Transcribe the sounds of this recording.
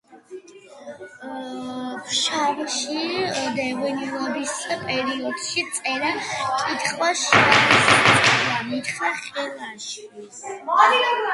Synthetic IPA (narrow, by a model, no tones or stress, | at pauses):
pʰʃavʃid̪ɛʁɛnilˠabisapʼɛɾiɔd̪̥ʃit̪sʼɛɾakʼit̪ʰχwaʃas | iχaχʼɛlˠaʃi̥